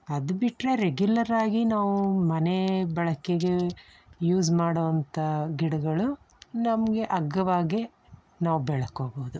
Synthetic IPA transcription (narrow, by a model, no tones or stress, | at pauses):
ɐd̪ubiʈːɾe̞ɾeɡjulɐɾaːɡinaːʋumɐnebɐɭɐkeɡe̞ | juːsmaːɽoʋɐnt̪ʰɐɡiɽɐɡɐɭu | nɐmɐɡe̞ʔɐɡːɐʋaːɡe | naːʋubɛɭɐkoːboːd̪u